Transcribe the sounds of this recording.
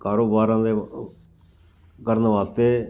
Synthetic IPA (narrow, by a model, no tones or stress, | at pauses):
kaːɾoːbaːɾãːd̪eː | kəɾənʋaːst̪eː